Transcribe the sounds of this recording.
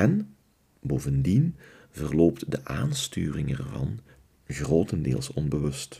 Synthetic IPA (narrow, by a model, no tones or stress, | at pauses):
ɛn | boːvəndin | vərloːptdəʔaːnstyːrɪŋɛ̰rvɑ̰n | ɣroːtəndḛːlˠsɔnbəʋɵst